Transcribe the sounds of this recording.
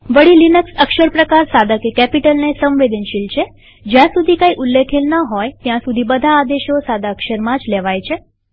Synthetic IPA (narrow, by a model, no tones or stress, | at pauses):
ʋəɽilinəksəkʃəɾpɾəkaɾsad̪akekɛpiʈəlnesə̃mʋed̪ʱənʃilt͡ʃʰe | d͡ʒjãsud̪ʱikaiʔulːekʰelnəɦɔjt̪jãsud̪ʱibəd̪ʱaːd̪eʃosad̪ʱaəkʃəɾmãd͡ʒlɛʋajt͡ʃʰe